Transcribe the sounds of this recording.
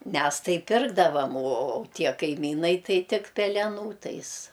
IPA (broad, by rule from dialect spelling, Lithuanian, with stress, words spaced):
ˈmʲɛs ˈtɐɪ ˈpʲɪrɡdɐʋɐm oː oː oː ˈtʲiɛ kɐɪˈmʲiːnɐɪ ˈtɐɪ ˈtʲɪk pʲɛlʲɛˈnuː ˈtɐɪs